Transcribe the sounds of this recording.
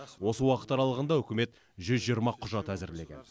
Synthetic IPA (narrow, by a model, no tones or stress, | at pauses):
wo̞səwɑqə̥t̪ːɑɾɑlˠəʁənd̪ɑɵkʲɪme̞t̪ | ʒʏzʒijəɾmɑqʰʊʒɑt̪æzɪɾle̞ɡʲen